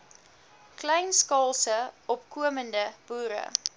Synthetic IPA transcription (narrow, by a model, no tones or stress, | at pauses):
klɛjnskɑːlˠsəʔɔpkuəməndəb̥uːɾə̰